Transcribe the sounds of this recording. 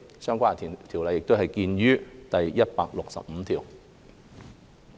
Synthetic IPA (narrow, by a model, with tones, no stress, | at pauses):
sœː˥ŋkʷaː˥˨t̪ʰːt̪ʰi˨˩wlɐ˨˧jːɪ˨k̚t̪o˥ɦɐ˨jkiː˧nɥyː˥t̪ɐ˨jjɐ˥t̚paː˧k̚lʊ˨k̚sɐ̰˨p̚m̩˨˧˦t̪ʰiː˨˩w